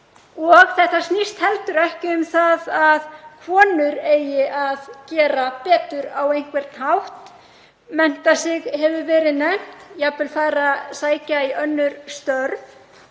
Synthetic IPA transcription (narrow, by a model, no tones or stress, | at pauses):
ɔɣθɛht̪asnist̪hɛlt̪ʏɾɛhcɪʏmθaðaðkʰvɔːnʏɾeːjɪʔaðcɛːɾapɛːt̪ʏɾawejŋ̥kvɛɾ̥t̪nhawht̪ | mɛn̥t̪asɪɣhɛvʏvɛːɾɪðnɛm̥t̪japɪlfaːɾasaːjcaiʔœnːʏɾst̪œɾv